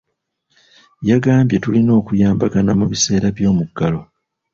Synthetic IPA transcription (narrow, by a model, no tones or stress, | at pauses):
jaɡaːmbje̞tulino̞ːkujaːmbaɡanamuβise̞ːɾaβjo̞ːmuɡːalo̞